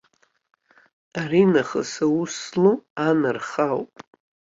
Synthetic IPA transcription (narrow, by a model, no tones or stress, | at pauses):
arinaχə̰sawusluanɨrχawpʼ